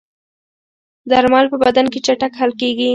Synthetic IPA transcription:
d̪aɾmɑlpəbad̪anket͡ʃaʈakhalkeɡi

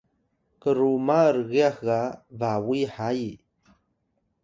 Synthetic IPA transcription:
kəɾumaɾɣeahɣaðawiħaji

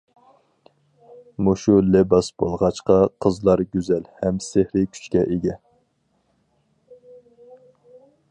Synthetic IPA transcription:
muʃulɛbɑsb̥o̰lˠʁɑt͡ʃqɑqʰəzlˠɑɾɡʲyzɛlhɛmsehɾɪkʲʰy̥t͡ʃkʲɛʔeɡʲɛ

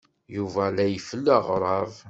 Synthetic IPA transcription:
juvælæjəfəlːəʁɾˤɑv

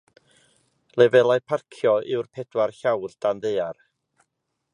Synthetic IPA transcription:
lɛvɛlˠajpʰarkʰjɔʔɪwrpʰɛd̥warɬawld̥anðejar

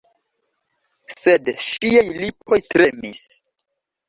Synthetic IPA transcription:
sedʃiajlip̚o̞jtɾe̞mis

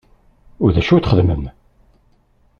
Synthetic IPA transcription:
ʊɾðæʃuθχəðmə̰m

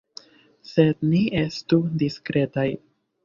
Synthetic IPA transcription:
se̞d̪niʔe̞studiskɾe̞taj

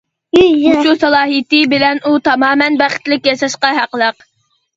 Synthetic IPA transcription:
uʃusɑlˠɑːɦit̪ɪbɪlɛnut̪ʰɑmɑːmɛnbæχɪ̥t̪lɪkʲjɑʃɑʃqɑɦæqəlˠəq

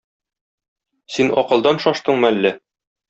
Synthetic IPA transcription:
sinɒ̰qɤ̆lˠd̪ɑnʃɒʃt̪ɤɴmælːɘ

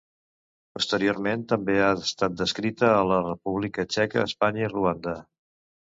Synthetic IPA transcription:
pust̪əɾioɾment̪əmbeast̪at̪̚d̪əskɾit̪əːlərəpuβ̞likət͡ʃɛkə̰ːspaɲəiruand̪ə

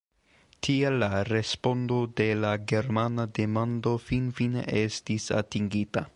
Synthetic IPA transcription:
tʰielːaɾe̞spo̞ndode̞laɡe̞ɾmanade̞mando̞finfinḛʔe̞stisa̰tiŋɡita

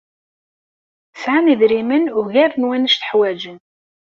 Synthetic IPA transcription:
sʕaniðɾimənʊʝæɾənwænəʃθə̥ħwæd͡ʒən

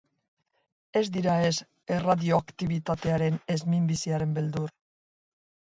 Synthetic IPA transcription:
e̞zd̪iɾae̞s | e̞raðio̞akt̪iβ̞it̪at̪e̞aɾe̞ne̞zmimbisiaɾe̞mbe̞ld̪ur

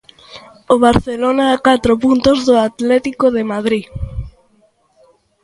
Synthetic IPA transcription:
oβ̞aɾθelonaakat̪ɾopunt̪ozðoat̪lɛt̪ikoðemað̞ɾi

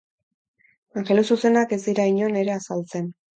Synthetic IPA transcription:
aŋxe̞lususe̞nake̞zd̪iɾaiɲo̞ne̞ɾe̞asalt͡se̞n

